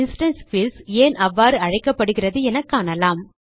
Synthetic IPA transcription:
ɪnsʈɐnskʋɪlseːnʔɐʋːaːɾɯɐɻɐɪkːɐpːɐɽɯɣɪrɐðɯɛnɐkːaːnɐlaːm

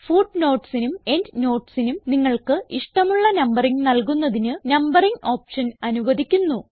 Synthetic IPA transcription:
fuːɖno̞ːʈsinume̞ndno̞ːʈsinumniŋːɐɭkɨiʂʈɐmuɭːɐnɐmbɐriŋnɐlkunːɐðinɨnɐmbɐriŋo̞ːpʂɐnɐnuʋɐðikʲːunːu

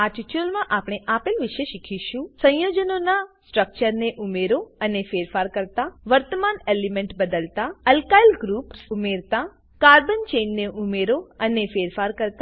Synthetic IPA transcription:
aʈit͡ʃuəlmãʔapɽ̃ɳ̃eʔapelʋiʃeʃikʰiʃũsə̃j̃jod͡ʒənonasʈɾək̚t͡ʃəɾneʔumeɾoənefeɾfaɾkəɾt̪aʋəɾt̪əmanelimẽɳʈbəd̪əlt̪aəlkailɡɾupsumeɾt̪a | kaɾbənt͡ʃenːeʔumeɾoənefeɾfaɾkəɾt̪

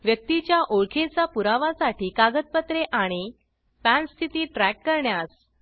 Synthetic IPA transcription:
ʋjək̚t̪it͡ɕjaʔoɭkʰet͡sapuɾaʋasaʈiːkaɡət̪̚pət̪ɾeʔaɽ̃i | fæ̃nst̪ʰit̪iːʈɾækːəɾɳjas

